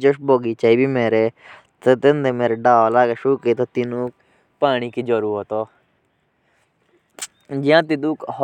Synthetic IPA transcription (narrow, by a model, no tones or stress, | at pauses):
d͡ʒoʃboːɡit͡ʃaːibiːmeːɾe | t̪et̪ɪ̃nd̪emeːɾeɖaːolaːɡeʃuːket̪ot̪ɪnũːk̚ | paːñikid͡ʒɔɾuɦoːt̪oː | d͡ʒɪãːt̪ɪd̪uːkh